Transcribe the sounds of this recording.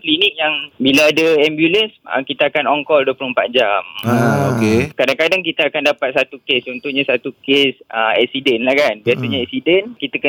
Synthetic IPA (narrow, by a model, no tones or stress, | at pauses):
klinik̚jaŋbilaadəɛmbjulənsə̰kit̪əakanɔŋkɔlduəpulumpa̰ʔ̪̚d͡ʒamokekadaŋkadaŋk̬it̪aakandapat̪̚sat̪ukest͡ʃɔnt̪uhɲãsat̪ukesəɛ̰k̚sidɛnlahkanbiasaɲãɛksidɛnkit̪əkə